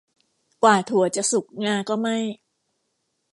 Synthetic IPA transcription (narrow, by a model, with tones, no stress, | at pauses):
kwaː˨˩t̪ʰu˨˩˦ɐt͡ɕa˨˩ʔsu˨˩k̚ŋaː˧kɔː˥˩ma˥˩j